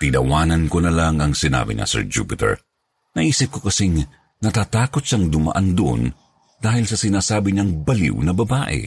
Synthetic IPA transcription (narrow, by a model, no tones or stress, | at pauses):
t̪ɪnɐwaːnɐnkonɐlaŋɐŋsɪna̰ːbɪ̰ɲɐ̰sɛ̰ɹd͡ʒṵpɪt̪ɛ̰ɹ | nɐʔiːsɪp̚ko̞kɐsiŋ | nɐt̪aːt̪aːko̞t̪̚sɐŋd̪ʊmɐ̰ʔand̪ʊʔo̰n | d̪aːhɪlsɐsɪnaːsaːbɪɲɐŋbɐlḭwnɐbɐbaːʔɛ̰